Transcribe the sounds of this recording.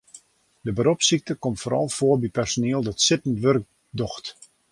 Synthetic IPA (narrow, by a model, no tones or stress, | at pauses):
dəbəɾɔpsik̚təkɔmtfoːɾɔ̰lˠfoərbipɛrsonɪəlˠdɔtsɪtən̩tʋørk̚ | dɔxt